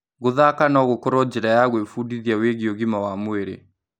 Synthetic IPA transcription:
ɣoðakanɔɣokɔɾɔd͡ʒeɾajaɣwefudiðiaweɣiɔɣimawamweɾḛ

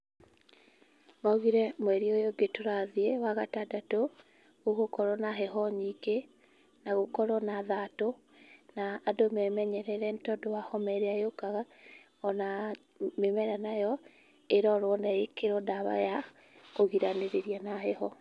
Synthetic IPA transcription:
maoɣiɾɛmwɛɾiojoɡetoɾaðiewaɣatadato | ɣoɣokɔɾɔnaɦɛɦɔɲike | naɣokɔɾɔnaðato | naːdomɛmɛɲɛɾɛɾɛntɔdowahɔmɛɾeajokaɣa | ɔna | memɛɾanajɔ | eɾɔɾwɔndaekeɾɔdaβa̰ja | koɣiɾaneɾeɾianaɦɛhɔ

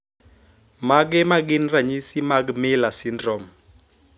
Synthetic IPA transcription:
maɡ̬ɛmaɡinraɲisimaɡmɪlasindrɔm

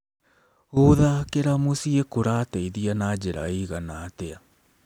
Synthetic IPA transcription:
oðakeɾamosiekoɾateiðianad͡ʑeɾa̰iɣanaːtea

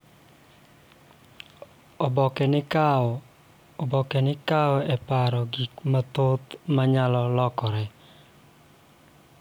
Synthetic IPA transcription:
ɔbɔkɛnɪka | bɔkɛnɪkaɔɛpaɾɔɡikmat̪ot̪maɲalɔlɔkɔɾɛ

